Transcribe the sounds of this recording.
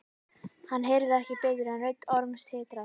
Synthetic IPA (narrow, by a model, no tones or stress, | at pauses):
hanːɦejɾðɪɛhcɪpeːt̪ʏɾanœɥt̪ːɔɾmst̪ʰhɪːt̪ɾa